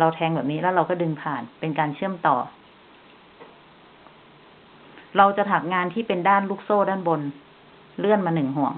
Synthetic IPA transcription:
ɾa˧wt̪ʰɛː˧ŋbɛː˨˩p̚niː˦˥lɛː˦˥wɾa˧wkɔː˥˩dɯ˧ŋpʰaː˨˩npe˧nkaː˧nt͡ɕʰɯ˥˩əmt̪ɔː˨˩ | ɾa˧wt͡ɕa˨˩t̪ʰa˨˩k̚ŋaː˧nt̪ʰiː˥˩pe˧ndaː˥˩nluː˥˩k̚soː˥˩daː˥˩˨nbo˧n | lɯ˥˩ənmaː˧nɯ˨˩ŋɦu˨˩əŋ

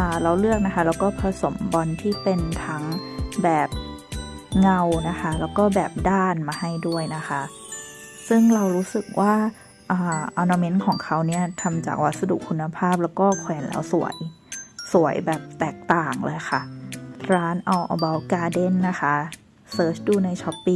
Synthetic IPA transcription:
ʔaː˨˩la˧wlɯ˥˩ək̚na˦˥kʰa˦˥lɛː˦˥wkɔː˥˩pʰɾa˧so˨˩˦mbɔ˧nt̪ʰiː˥˩pe˧nt̪ʰa˦˥ŋbɛː˨˩p̚ | ŋa˧wna˦˥kʰa˦˥lɛː˦˥wkɔː˥˩bɛː˨˩p̚daː˥˩nmaː˧ha˥˩jdu˥˩əjna˦˥xʰa˦˥ʔ | sɯ˥˩ŋɾa˧wɾuː˦˥sɯ˨˩k̚wʔaː˥˩ | ʔaː˨˩ʔa˧naː˧me˦˥nkʰɔː˩˦ŋkʰa˦˥wni˥˩ɐt̪ʰa˧mt͡ɕa̰ː˨˩k̚wa˦˥t̪̚sa˧dṵ˨˩kʰːu˧nːa˧pʰaː˥˩p̚lɛː˦˥wkɔː˥˩kʰwɛː˩˦nlɛ̰ː˦˥wsu˨˩˦ɐəj | su˨˩˦əjbɛː˨˩p̚t̪ɛː˨˩k̚t̪aː˨˩ŋlɤ̰ː˧jxʰa˥˩ɾaː˦˥nʔa˧wʔɔ̰˧ba˧wkaː˧de˥˩nːa˦˥xʰa˦˥ | sɤː˦˥t͡ɕʰduː˧na˧jt͡ɕʰɔ˦˥pːi˥˧

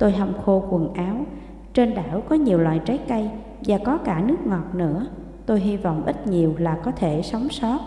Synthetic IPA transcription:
t̪o˧jɦa˧wŋ͡mxo˧kwə˨˩nʔaː˨˦w | t͡ɕe˧nɗaː˧˩wkɔ˨˦ɲi˨˩əwlwaː˨˩jt͡ɕa˨˦kə˧j | vaː˨˩kɔ˨˦kaː˧˩nɨ˦˥ək̚ŋɔ˨˩t̚nɨ̰˧˥ə | t̪o˧jɦi˧vɔ̰˧˨wŋ͡mʔï˦˥t̚ɲi˨˩əwlaː˨˩kɔ˨˦t̪ʰe˧˩sa˨˦wŋ͡msɔ˦˥t̚

